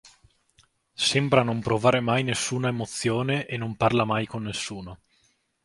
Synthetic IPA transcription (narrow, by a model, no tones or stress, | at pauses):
sɛmbɾanompɾovaːɾemajnesːuːnaemot̪sːjoːneʔenːomparlamajkonːesːuːno